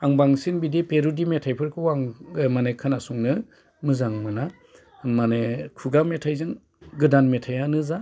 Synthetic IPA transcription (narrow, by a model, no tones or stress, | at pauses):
aŋbaŋsinbidipeɾudimetʰajpʰɯɾkʰɯwaŋmanekʰanasuŋnɯ | mɯzaŋmɯna | manekʰuɡametʰajzɯŋ | ɡɯdanmetʰajanɯza